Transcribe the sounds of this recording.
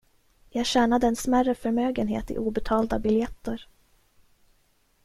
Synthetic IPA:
jɑːɡɕæːnad̪əɛnsmærəfœɾmøːɡənɦḛːt̪ɪ̰ʔuːbɛt̪ʰɑːld̪abɪljɛt̪ːəɾ

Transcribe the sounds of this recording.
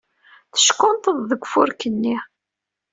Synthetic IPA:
θə̥ʃkʊnt̪əððəɡʷfʊɾkənːi

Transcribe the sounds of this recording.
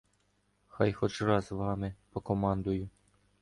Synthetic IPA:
xɑjxɔt͡ʃrɑzʋɑmɪpɔkɔmɑnd̪ʊjʊ

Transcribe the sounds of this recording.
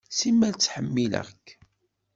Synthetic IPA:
simːælt͡sːħəmːilə̰kː

